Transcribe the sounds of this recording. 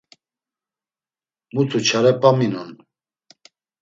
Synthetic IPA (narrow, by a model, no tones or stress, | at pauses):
mut̪ʰut͡ʃʰaɾɛpʼaminun